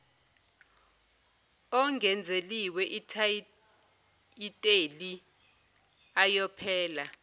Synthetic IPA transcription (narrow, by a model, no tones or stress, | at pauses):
ɔŋɡʱɛnd͡zʱeliwɛʔitʰa | itʼeli | ajɔpʰɛːla